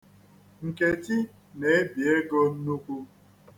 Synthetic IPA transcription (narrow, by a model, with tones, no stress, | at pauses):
ŋ̩˨ke˨ti˦ | ne˨e˦bje˦ɡɔ˦n̩˦nu˦kʷu˦